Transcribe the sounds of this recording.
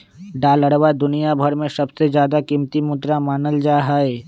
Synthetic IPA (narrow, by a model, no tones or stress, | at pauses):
ɖaːləɽwad̪ʊnijabʱɐɾmẽsɐbsed͡ʒjaːd̪akimt̪imʊd̪ɾamaːnəld͡ʒaːɦaːeː